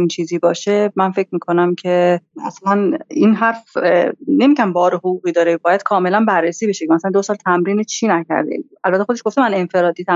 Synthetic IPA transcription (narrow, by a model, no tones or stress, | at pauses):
int͡ʃʰiːziːbɒːʃemænfec̚ʰmiːkʰonæmcʰe̞æ̰slæninɦæɾf | ne̞miɟæmbɒːɾehoʁuːɣiːd̪ɒːɾebɒːjæd̪̥kʰɒːme̞lænbærːesiːbeʃecʰemæsælænd̪osɒːlt̪ʰæmɾiːnet͡ʃʰiːnæcʰæ̰ɾd̪ḛ | ælbæt̪ʰːexod̪eʃɡoft̪emæne̞nfe̞ɾɒːd̪it̪ʰæ